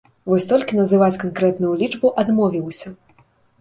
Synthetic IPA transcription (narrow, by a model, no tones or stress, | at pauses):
vɔsʲt̪ɔlʲkʲinɐzɨvat͡sʲkankɾɛt̪nujulʲit͡ʂbuʔad̪mɔvʲiwsʲɐ